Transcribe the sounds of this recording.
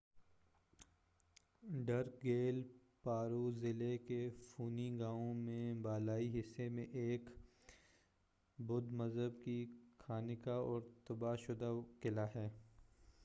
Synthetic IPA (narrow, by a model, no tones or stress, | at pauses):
ɖɐɾkɡeːl | paːɾuzɪlekefuːniɡaːõmẽbaːlaːiɦɪsːemẽʔeːk | bʊd̪mɐzɦəbkikʰaːnɪkaɔːɾt̪ɐbaːʃʊd̪akɪlaɦɛː